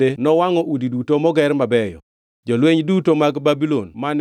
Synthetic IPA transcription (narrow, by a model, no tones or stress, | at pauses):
enɔwaŋɔʔudidutomɔɡɛɾmabɛjɔ̰ | d͡ʒolweɲdutomaɡbabilonman